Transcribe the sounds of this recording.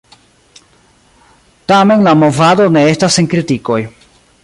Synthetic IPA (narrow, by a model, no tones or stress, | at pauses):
tame̞nlamo̞vado̞ne̞e̞staseŋkɾitiko̞j